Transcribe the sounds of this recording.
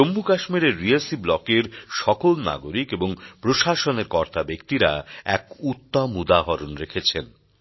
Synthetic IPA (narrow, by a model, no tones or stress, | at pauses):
omːukaʃmiɾeɾːielsiblɔkeɾʃɔkolna̰ɡoɾikeboŋpɾoʃaʃoneɾkɔɾt̪ʰabekt̪iɾaɛ̰kut̪ːamud̪aɦɔɾonɾekʰet͡ɕʰen